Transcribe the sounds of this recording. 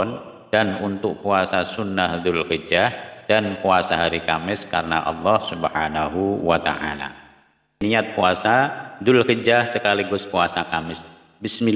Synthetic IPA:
n | d̥anunt̪ʊk̚puasasunːahdʊlkəd͡ʒahd̥anpuasaɦaɾikamɪskaɾəna̰ʔɑ̰lːɔhsubhanaɦuwat̪a̰ʔa̰la̰ | niat̪̚puasadʊlkəd͡ʒahsəkaliɡʊspuasakamɪs | bɪsmi

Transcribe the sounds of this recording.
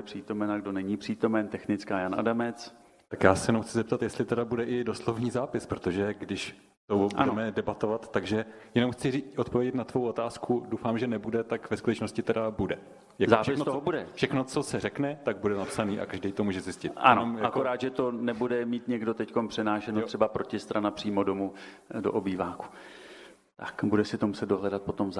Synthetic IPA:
pr̥iːt̪o̞mɛnaɡdo̞nɛɲipr̝̥iːt̪o̞mɛnt̪ɛxnɪt͡skaːjanʔa̰damɛt͡s | t̪akjaːsɛjɛnomxt͡sɪzɛp̚t̪at̪jɛst̪lɪt̪ɛdabudɛʔɪdoslovɲiːzaːpɪspɾot̪o̞ʒɛɡdɪʃ | t̪obndɛmɛdɛbat̪o̞vat̪ːaɡʒɛjɛno̞mxt͡sɪriːʔot̪̚povjɛɟɛt̪nat̪vo̞wʔot̪aːskudowfaːmʒɛnɛbudɛt̪akvɛskut̪ɛt͡ʃnoscɪt̪ɛdabudɛ | jazaːʃɛɪsxnot̪oobudɛfʃɛxnot͡so̞sɛɾɛknɛt̪aɡ̚budɛnapsaniːʔa̰kaʒdɛjt̪omuːʒɛzɪscɪt̪anɛomjaakoɾaːd̪ʒɛt̪o̞nɛbudɛmiːt̪ɲɛɡdot̪ɛckompr̝̥ɛnaːʃɛnor̥ɛbapɾocɪst̪ɾanapr̥iːmodomu | doʔobiːvaːku̥ | t̪akbudɛsɪt̪omusɛt̪̚doɦlɛdat̪̚pot̪omz

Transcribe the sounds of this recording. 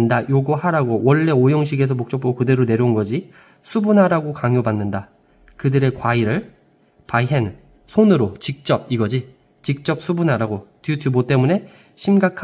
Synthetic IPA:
ndajoɡʌɦaɾaɡowʌɭːe̞ojʌŋɕ̬ʰiɡe̞s̬ʰʌmok̚t͡ɕ͈ʌp̚k͈ʰokɯde̞ɾone̞ɾjʌunɡʌd͡ʑi | sʰubunaɾaɡokaŋjobanːɯnda | kɯdɯɾe̞kwaiɾɯɭ | paiɦen | sʰonɯɾot͡ɕik̚t͡ɕ͈ʌb̚iɡʌd͡ʑi | t͡ɕik̚t͡ɕ͈ʌp̚s͈ʰubunaɾaɡotjutʰubot͈e̞mune̞ | ɕʰimɡakʰ

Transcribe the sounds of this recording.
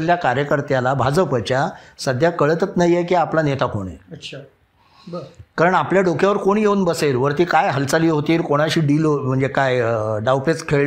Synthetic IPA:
ljakaɾjəkəɾt̪jalabʱad͡zəpət͡ɕjasəd̪ʱjakəɭət̪ət͡snaɦjjekiːaplanet̪akoɽ̃ḛɕʰ | kaɾəɳapljaɖokʰjaʋəɾkoɽ̃jeunbəseɾʋəɾt̪iːkajɦəlt͡saliːɦot̪iːɾkoɽ̃aɕiːɖiːlom̤əɳd͡zekajɖawpet͡skʰeɭ

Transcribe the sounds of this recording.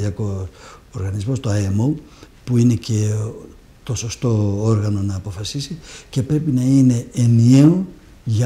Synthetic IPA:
iɐko̞soɾɣɐnizmo̞st̪oɐemo̞ | puine̞ce̞ | t̪o̞so̞st̪o̞oɾɣɐno̞nɐːpo̞fɐsisice̞pɾe̞pinɐine̞ːnieo | ʝɐ

